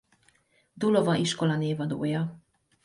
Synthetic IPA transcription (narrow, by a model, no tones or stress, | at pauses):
d̪ulovɑʔiʃkolɑneːvɑd̪o̰ːjɑ